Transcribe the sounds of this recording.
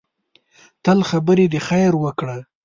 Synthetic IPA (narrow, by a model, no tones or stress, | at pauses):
t̪əlxabəɾed̪əxajɾwəkɽa